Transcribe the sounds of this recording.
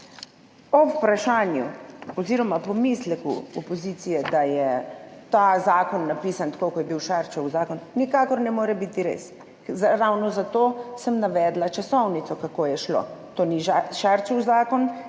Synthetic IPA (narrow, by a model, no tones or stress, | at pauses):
ɔpɾaʃaːnjuɔziːɾɔmapɔmislɛkṵɔpɔziːt̪sijɛd̪ajɛt̪aːzaːkɔnːapiːsant̪ḁkokɔjɛbiwʃaɾt͡ʃawzaːkɔnnikaːkɔɾnɛmoːɾɛbit̪iɾḛs | ɾawnɔzat̪oːsəmnaʋɛːd̪lat͡ʃasɔwnit̪sɔkakoːjɛʃlo̰t̪oːniʒaʃaɾt͡ʃɛwzaːkɔn